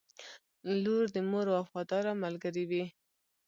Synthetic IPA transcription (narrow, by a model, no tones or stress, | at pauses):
loɾd̪əmoɾoafɑd̪ɑɾamalɡəɾiwi